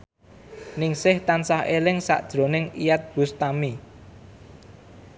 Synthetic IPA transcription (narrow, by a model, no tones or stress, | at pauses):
nɪŋsɪht̪ansahelɪŋsa̰ʔd̥ʒ̥ɾo̤nɪŋijat̪̚b̥ṳst̪ami